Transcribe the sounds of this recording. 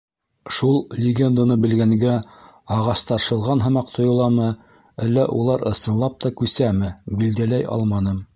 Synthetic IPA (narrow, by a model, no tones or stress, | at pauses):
ʃulˠlʲɪɡʲend̪anɤbɘ̆lɡæŋɡæ | ɑʁɑst̪ɑɾʃɤ̆lˠʁɑnɦɤ̆mɑqt̪ʰŏjŏlˠɑmɤ | ælːæ̰ʔulˠɑɾɤ̆sɤ̆nlˠɑp̚t̪ɑkʉsæmɘbild̪ælæjʔɑ̰lˠmɑnɤm